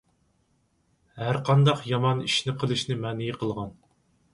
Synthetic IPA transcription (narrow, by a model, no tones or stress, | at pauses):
hæɾqʰɑnd̪ɑqjɑmɑniʃnɪqʰəlˠɨʃnɪmɛːnɪjiqʰəlˠʁɑn